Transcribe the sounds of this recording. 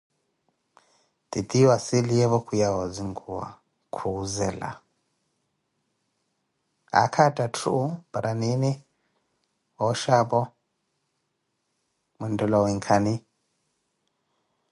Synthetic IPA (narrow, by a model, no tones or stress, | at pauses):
t̪it̪iwasiliɛβɔkʰujawɔd͡ziŋɡuwa̰ | kʰuuzɛla̰ | a̰kʰatʼatʰubaɾʔanini | wɔʃapɔ | mɛndɔlɔwiŋkʰani